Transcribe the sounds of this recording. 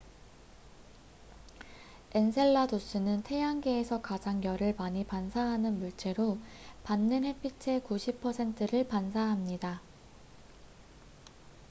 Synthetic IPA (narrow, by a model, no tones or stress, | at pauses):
e̞nsʰe̞ɭːados͈ɯnɯntʰe̞jaŋɡe̞ːsʰʌkad͡ʑaŋjʌɾɯɭmaɲipansʰaɦanɯnmuɭt͡ɕ͈e̞ɾopanːɯnɦe̞pʰit͡ɕʰe̞kuɕʰipʰʌsʰe̞ntʰɯɾɯɭpansʰaɦamɲida